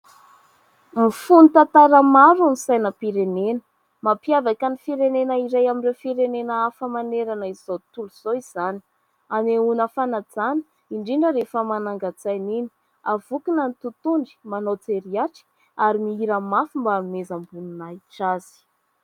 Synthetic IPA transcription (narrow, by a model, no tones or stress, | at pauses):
mifunit̪at̪aɾəmaɾunisajnəpiɾenenə̥ | mapiavakanifiɾenenəiɾajamiɖ͡ʐefiɾenenəafəmaneɾanəiz̥ot̪uluz̥oiz̥ani̥ | aneunəfanad͡zani̥ | iɳɖ͡ʐiɳɖ͡ʐəɾefəmanaŋɡat͡sajnini̥ | avukinənt̪ut̪uɳɖ͡ʐi̥manot͡seɾiaʈ͡ʂi̥ | aɾimiiɾəmafumbamezambununaiʈ͡ʂaz̥i̥